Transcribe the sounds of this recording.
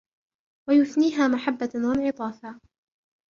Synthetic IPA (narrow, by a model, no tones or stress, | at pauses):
wajʊθniːɦaːmaħabːawanʕɪt̪ˤɑːfaː